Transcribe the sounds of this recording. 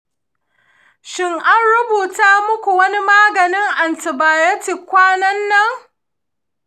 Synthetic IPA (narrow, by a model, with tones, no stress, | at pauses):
ʃɪ˦ŋʔa˦nɽʊ˦buː˨taː˦mʊ˦kʷu˨wɐ˦ni˦maː˦ɡɐ˨nɪ˦ŋʔa˨ntɪ˨baː˨jɐ˦tɪ˨kʷaː˦nɐ˦nːɐ˦ŋ